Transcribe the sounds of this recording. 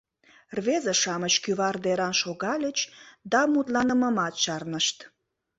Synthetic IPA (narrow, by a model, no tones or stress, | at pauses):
rβezeʃɑmət͡ɕkyβɑrd̪eɾɑnʃoɣɑlʲət͡ɕd̪ɑmut̪lɑnəməmɑt̪ʃɑrnəʃt̪